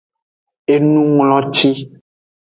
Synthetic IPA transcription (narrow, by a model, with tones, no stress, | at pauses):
e˦nũ˦ŋlɔ̃˦t͡ʃi˦